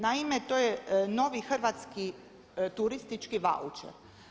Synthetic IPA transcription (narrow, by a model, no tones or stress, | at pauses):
naimet̪oːjeno̞ʋixrʋat̪ski | t̪uɾist̪it͡ʃkiʋa̰ṵt͡ʃḛɾ